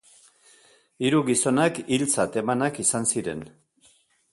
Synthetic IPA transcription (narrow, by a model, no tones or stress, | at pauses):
iɾuɣiso̞nakilt͡sat̪e̞manakisansiɾe̞n